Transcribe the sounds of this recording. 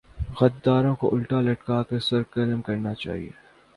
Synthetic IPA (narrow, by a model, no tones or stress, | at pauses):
ɣɐt̪̚d̪aːɾõkoʔʊlʈɾalɐʈkaːkɐɾsɐɾkɐlmkɐɾnat͡ʃa̰ːɦḭḛː